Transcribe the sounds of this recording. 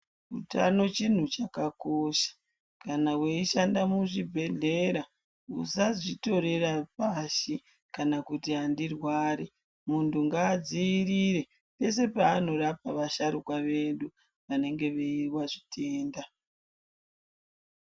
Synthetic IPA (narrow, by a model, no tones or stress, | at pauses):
utano̞t͡ʃin̤ut͡ʃakakoʃḁ | kanaweiʃandamuʐibʱe̞ɮe̞ɾa | ṵsazito̞ɾe̞rapaʃi | kanakutiɦandirwaːɾe | muntuŋɡaːd͡ziːɾiɾe̞ | pe̞se̞paːno̞ɾapaʋaʃaɾukwaʋe̞ndu | ʋane̞ŋɡe̞ʋeiwaʐitʰe̞ːnda